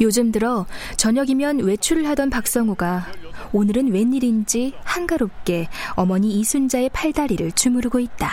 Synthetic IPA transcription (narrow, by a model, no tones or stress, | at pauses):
jod͡ʑɯmdɯɾʌt͡ɕʌɲʌɡimjʌnwe̞t͡ɕʰuɾɯɭɦadʌnpak̚s͈ʌŋuɡaonɯɾɯnwe̞ɲːiɾind͡ʑihanɡaɾop̚k͈e̞ʌmʌɲiisʰund͡ʑae̞pʰaɭdaɾiɾɯɭt͡ɕumuɾɯɡoit̚t͈a